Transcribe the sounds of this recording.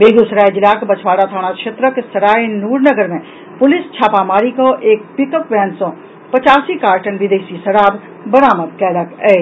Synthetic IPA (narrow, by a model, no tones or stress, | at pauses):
beːɡusəɾaːjd͡ʒɪlaːkbɐt͡ʃʰʋaːɽat̪ʰaːɽ̃akʃʰet̪ɾəksɐɾaːjnuːɾnəɡəɾmẽ | pʊlɪst͡ʃʰaːpaːmaːɾikoʔeːk̚pɪkəpʋɛ̃ːnsõ | pɐt͡ʃaːsikaːɾʈənʋɪd̪eːʃisɐɾaːb | bɐɾaːməd̪kɛːləkɛː